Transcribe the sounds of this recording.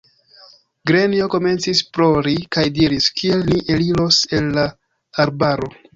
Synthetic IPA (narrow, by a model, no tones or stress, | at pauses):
ɡɾenio̞ko̞me̞nt͡sisplo̞ɾikajdiɾiskʰie̞lniʔeliɾo̞se̞nːa | aɾbaɾo̞